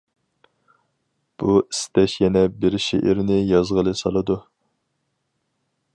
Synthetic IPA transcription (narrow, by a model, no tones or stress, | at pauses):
b̥ui̥st̪ɛʃjɛnɛbɪɾʃḛʔɪɾnɪjɑzʁəlˠɨsɑlˠɨd̪u